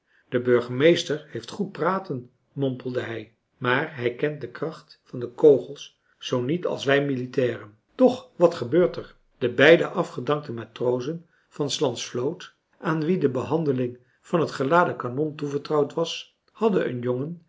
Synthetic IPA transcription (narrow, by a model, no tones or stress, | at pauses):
d̥əbøɹχəmejstəɹhejftχut̚praːtən | mɔmpəl̩ˠdəɦɛj | maːɹɦɛjkɛnt̚dəkrɑχtfɑndəkowχəlˠs | z̥ownitɑ̰lˠsʋɛjmilitɛːrən | tɔχʋɑtχəbøːɹtəɹ | d̥əbɛjdəʔɑfχədɑŋk̚təmaːtrowzən | v̥ɑnslɑntsflowt | ʔaːnʋidəbəɦɑndəlɪŋ | v̥ɑnɦətχəlaːdəkanɔntuvəɹtrɑwtʋɑs | hɑdənʔə̰njoŋən